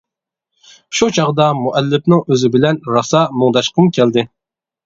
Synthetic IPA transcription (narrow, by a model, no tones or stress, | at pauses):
ʃut͡ʃʰɑʁd̪ɑmuʔɛlːɪpnɪŋøzɪbɪlɛnɾɑsɑmʊŋd̪ɑʃqʰəmkʲʰɛld̪ɪ